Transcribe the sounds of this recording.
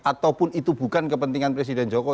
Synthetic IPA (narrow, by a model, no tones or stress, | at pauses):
at̪awpʊnit̪ubṳkankəpənt̪iŋanpɾes̬idɛnd͡ʒɔkɔ